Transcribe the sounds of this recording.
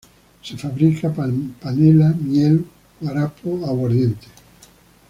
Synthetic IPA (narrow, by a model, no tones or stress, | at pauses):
sefaβɾikʰapanelamjel | aɾapʰoawoɾðjent̪e̥